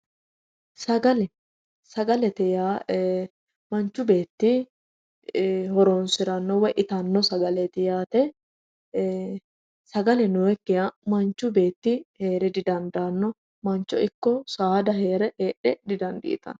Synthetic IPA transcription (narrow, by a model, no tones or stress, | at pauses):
sɐɡɐlɛ | sɐɡɐlɛt̪ɪjaː | mɐnt͡ʃːʊbe̞ːt̪ːɪ | hɔɾoːnsɪɾɐnːɔwɛʔɪt̪ɐnːɔsɐɡɐlɛt̪ɪjaːt̪ɛ | sɐɡɐlɛnʊwɛkːɪɐmɐnt͡ʃːʊbe̞ːt̪ːɪhe̞ːɾɛd̪ɪd̪ɐnd̪ɐnːɔ | mɐnt͡ʃːɔɪkːɔsaːd̪ɐɦe̞ːɾɛheːᶑɛd̪ɪd̪ɐnd̪ḭʔːt̪ɐ̰n